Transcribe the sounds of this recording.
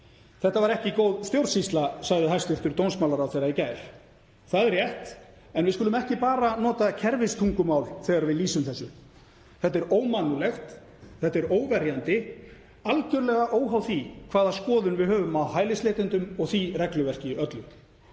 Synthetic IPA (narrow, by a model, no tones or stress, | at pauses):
θɛht̪avaɾɛhcɪkoːwðst̪jowɾsist̪lasaɣðɪɦajst̪ʏɾ̥t̪ʏɾt̪ownsmawlaɾawθejɾaicaːjɾ̥ | θaðɛɾjɛht̪ | ɛnvɪðskʏlʏmɛhcɪpaːɾanɔːt̪acʰɛɾvɪst̪ʰuŋkʏmaːwlθɛːɣaɾvɪðliːsʏmθɛsːʏ | θɛht̪ːɪɾoːwmanːʏlɛxt̪ | θɛht̪ːɪɾoːwvɛɾjant̪ɪ | alcʏɾlɛɣaʔoːwɦawθikʰvaːðaskɔːðʏnvɪðhœːvʏmawɦaːjlɪsleːt̪ɪnt̪ʏmɔɣθirɛklʏvɛr̥cɪœt̪lʏm